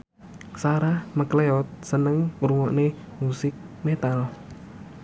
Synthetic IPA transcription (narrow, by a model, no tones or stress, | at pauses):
saɾamakleɔt̪̚sənəŋɾuŋɔʔne | musɪk̚met̪al